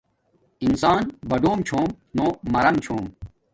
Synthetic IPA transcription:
insaːnbɐɖoːmt͡ɕʰoːm | noːmɐɾɐmt͡ɕʰoːm

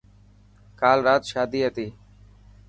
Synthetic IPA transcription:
kaːlɾaːt̪ʃaːd̪iːɦət̪iː

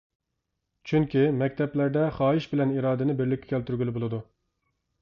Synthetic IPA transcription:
t͡ʃʰyŋkʲimɛk̚ʲt̪ʰɛplæɾd̪ɛχɑːɦɪʃbɪlɛniɾɑːd̪ɪnɪbɪɾlɪkʲːɛ̥kʲʰɛlt̪yɾɡʲylɪbolˠɨd̪u

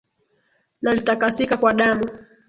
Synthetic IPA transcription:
nalitakasikakwaɗamu

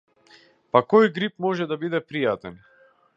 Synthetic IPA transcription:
pakɔjɡɾipmɔʒɛd̪abid̪ɛpɾijat̪ɛn

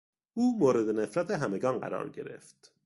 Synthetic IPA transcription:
ʔuːmoːɾe̞d̪ene̞fɾæt̪ʰeɦæme̞ɡɒːnɢæ̰ɾɒ̰ːɾɟe̞̰ɾe̞̰ft̪

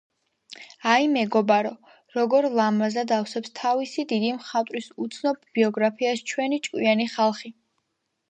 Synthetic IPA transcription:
aimɛɡɔbaɾɔ | ɾɔɡɔɾlˠamazad̪afsɛpst̪ʰavisid̪id̪imχat̪ʼɾisut̪sʰnɔb̚b̥iɔɡɾapʰiast͡ʃʰwɛnit͡ʃʼkʼwianiχalˠχi

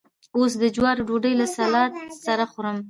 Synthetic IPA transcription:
os̬d̪əd͡ʒwɑɾɖoɖəjlasalɑt̪saɾaxoɾəm

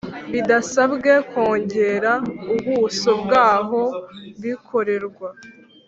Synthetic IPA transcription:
βidasabɡe̞ko̞ːɲɟe̞ɾauβuːsobɡaːɦo̞βikʰo̞ɾe̞ɾɡwa

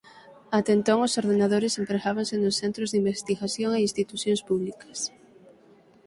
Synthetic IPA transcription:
at̪ent̪oŋosoɾðenað̞oɾesempɾeɣaβaŋsenosθent̪ɾozðimbest̪iɣaθjoŋeinst̪it̪uθjõŋspuβ̞likḁs

